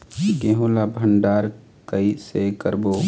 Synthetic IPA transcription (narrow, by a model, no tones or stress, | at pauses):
ɡẽːɦoːlabʱəɳɖaːɾ | kəisekəɾboː